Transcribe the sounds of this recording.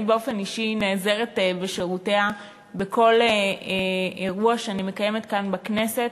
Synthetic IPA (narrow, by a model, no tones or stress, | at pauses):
beo̞fe̞niʃineːze̞ʁetbeʃeʁute̞a | beko̞l | eʁuaʃeanime̞kaje̞me̞tkanbakne̞se̞t